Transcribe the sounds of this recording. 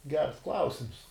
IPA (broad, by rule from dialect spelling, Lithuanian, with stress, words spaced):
ɡʲɛrs ˈklˠɐʊsʲɪms